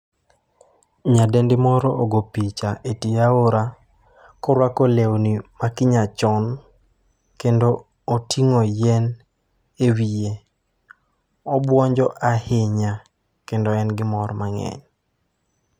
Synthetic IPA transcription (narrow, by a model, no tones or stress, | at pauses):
ɲadendɪmɔɾɔoɡopit͡ʃaʔetiaoɾa | kɔɾwakolewnimakɪɲat͡ʃɔn | kendoː | tʰiŋɔjɛn | ewije | ɔbwɔɲd͡ʒɔʔahɪɲa | kendɔɛnɡɪmɔrmaŋɛ̰ɲ